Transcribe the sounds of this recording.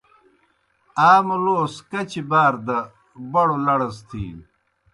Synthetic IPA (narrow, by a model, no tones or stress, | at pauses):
aːmɐloːskɐt͡ɕibaːɾd̪ɐ | bɐɽolɐɽɐst̪ʰḭːn